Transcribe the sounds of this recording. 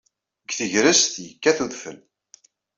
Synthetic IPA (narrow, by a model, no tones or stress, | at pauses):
ɡθəʝɾəst̪jəkːæθuðfə̰l